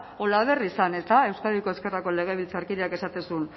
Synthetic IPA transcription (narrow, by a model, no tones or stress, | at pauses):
o̞laβe̞risane̞st̪ae̞wskaðiko̞eske̞rako̞le̞ɣ̞e̞βilt͡saɾkiɾeake̞sat̪e̞sun